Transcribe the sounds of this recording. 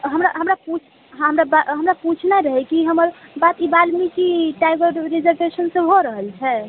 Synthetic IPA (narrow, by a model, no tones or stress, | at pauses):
ɦəmɾaɦəmɾaput͡ʃʰ | ɦəmɾabaɦəmɾaput͡ʃʰnaɾəɦɛkiɦəməɾbat̪ibalmikiʈajɡəɾɾid͡ʒəɾbesənsəɦoɾəɦəlt͡ʃʰɛ